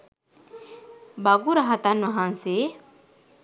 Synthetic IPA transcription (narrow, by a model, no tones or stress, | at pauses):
baɡuɾaɦat̪anwaɦanse